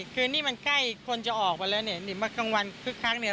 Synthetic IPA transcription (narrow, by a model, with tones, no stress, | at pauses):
kʰɯː˧niː˥˩ma˧nkla˥˩jkʰo˧nt͡ɕa˨˩ʔɔː˨˩k̚pa˧lɤː˧jni˧˩ni˩˦maː˧ka˧ŋwa˧nkʰɯ˦˥kʰːaː˦˥k̚ni˧˩˦